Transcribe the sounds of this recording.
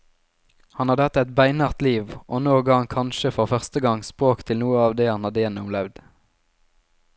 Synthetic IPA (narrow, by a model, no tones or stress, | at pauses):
hɑnhɑd̪əɑt̪ɛt̪bæɪnɑʁt̪liːʋʔoːnoːɡəɑɑŋkʰɑnʃəfɔʁfœʁst̪əɡɑŋspʁoːkt̪ʰɪlnuːəɑːʋd̪eːhɑnhɑd̪eːnəʊmlɛʋd̪